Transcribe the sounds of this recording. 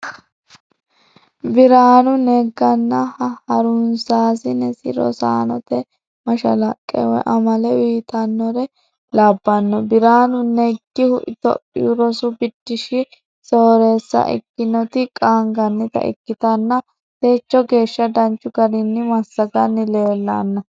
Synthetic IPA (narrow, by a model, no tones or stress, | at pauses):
bɪɾaːnʊnɛɡɐnːɐhɐhɐɾʊnsaːsɪnɛsɪ̰ɾɔ̰sa̰ːnɔ̰t̪ɛ | mɐʃɐ̰lɐkʼːɛ̰wɔ̰ʔɐmɐlɛwiːt̪ʰɐnːɔɾɛ | laːbːɐnːɔbɪɾaːnʊnɛɡːɪhʊʔɪt̪ɔ̰pʼːɪ̰ʊɾɔsʊbɪd̪ːɪʃɪ | soːɾeːsːɐ̰ʔɪ̰kːɪnɔt̪ɪkʼaːŋɡɐnːɪt̪ɐ̰ʔɪ̰kːɪt̪ɐnːɐ | t̪eːt͡ʃːɔɡe̞ːʃːɐd̪ɐnt͡ʃːʊɡɐɾɪnːɪmɐsːɐɡɐnːɪle̞ːlːa̰nːɐ